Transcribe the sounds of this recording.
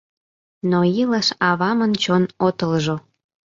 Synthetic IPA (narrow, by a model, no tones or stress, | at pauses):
noiləʃɑβɑmənt͡ɕonot̪əlʒo